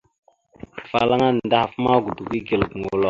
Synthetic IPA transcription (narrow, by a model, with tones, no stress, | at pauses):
fa̰˨la˦ŋa˦n˨da˦ha˨fma˦ɡu˨du˨ɡi˦ɡi˨lɡŋɡu˨lo˦˨